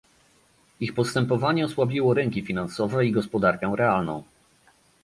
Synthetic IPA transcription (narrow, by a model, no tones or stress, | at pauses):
ixpɔst̪ɛmpɔvaɲɛɔswabʲiwɔɾɛŋkʲifʲinansɔvɛiɡɔspɔd̪aɾkɛw̃ɾɛalnɔ̰̃w̃